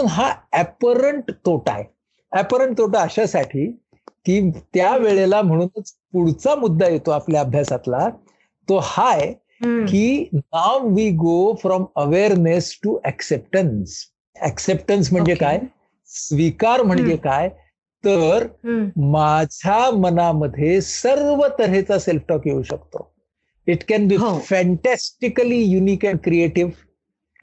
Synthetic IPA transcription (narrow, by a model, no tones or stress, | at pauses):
uːnɦaɛpəɾəɳʈt̪oʈa̰e | æpəɾəɳʈ̚t̪oʈaəɕasaʈʰiː | kiːt̪jaʋeɭelam̤əɽ̃uːnət͡spuɽt͡samud̪ːajet̪oapljaəbʱjasat̪la | t̪ohaj | kiːnawʋiːɡofɾɔməʋeɾnesʈuʔɛksep̚ʈəns | ɛksep̚ʈəns̬m̤əɳd͡zekaj | sʋikaɾm̤əɳd͡ʑekaj | t̪əɾmad͡ʑʱamənaməd̪ʱːjesəɾʋət̪əɾet͡saselfʈɔkjeuɕəkt̪o̰ | iʈkɛ̃nbifɛ̃ɳʈæsʈikəlijuniːkɛ̃ɳɖkɾieʈiʋ